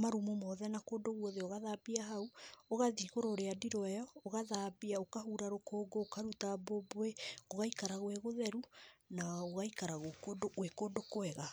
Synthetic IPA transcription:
maɾumomɔðɛnakodoɣwoðeoɣaðabiaɦauoɣaðiɣoɾoːɾeadiɾɔɛjɔːɣaðabiaokaɦuɾaɾokʰoːɡoːkaɾutaboboeoɣaikaɾaɣweɣoðɛɾunaoɣaikaɾaɣokodoɣwekodokoɛɣa

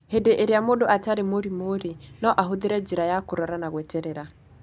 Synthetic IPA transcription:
hedeʔeɾjamodoʔataɾemoɾimoɾinɔʔaɦoðeɾɛd͡ʒiɾajakoɾɔɾanaɣwɛteɾeɾa

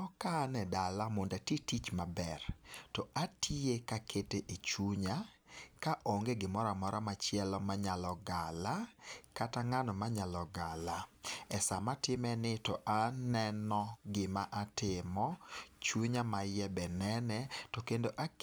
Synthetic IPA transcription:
ɔkanɛdalamondatitit͡ʃmabɛrtɔʔatʰiekakʰeteʔet͡ʃuɲa | kaʔoŋɡeɡɪmɔɾamɔɾamat͡ʃjɛlɔmaɲalɔɡalakataŋanɔmaɲalɔɡalaɛsamatɪmɛnɪtɔʔanɛnɔɡɪmaʔatɪmɔt͡ʃuɲamajɛbɛnɛnɛtɔkendoʔa

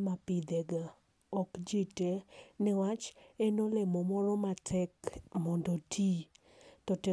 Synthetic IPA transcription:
mapid̪ɛɡa | ɔkd͡ʒitenɛwat͡ʃenolemɔmɔɾɔmatʰɛkmɔndɔtʰi | tɔtɛ

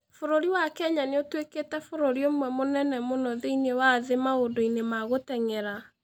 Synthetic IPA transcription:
foɾoɾiwakɛɲaneotweketɛfoɾoɾiomwɛmonɛnɛmonɔðeinewaðemaodoinemaɣotɛŋɛɾa

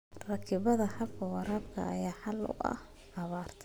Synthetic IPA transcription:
rɐkʰɪβɐðɐħɑbkʰɐwɑɾaːbkʰɐ̰ːjaːħɑlʊ̰ʔɐ̰h | ʕɐβaːrt̪ʰ

